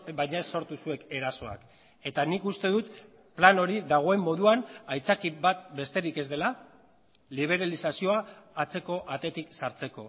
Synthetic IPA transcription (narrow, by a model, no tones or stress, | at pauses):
bajɲaesːo̞ɾt̪usue̞ke̞ɾaso̞a̰k | e̞t̪anikust̪e̞ðut̪ | plano̞ɾiðaɣ̞o̞e̞mːo̞ðuanajt͡sakiβat̪be̞st̪e̞ɾike̞zd̪e̞la | liβ̞e̞ɾalisasio̞aːt͡se̞ko̞ʔat̪e̞t̪iksaɾt͡se̞ko̞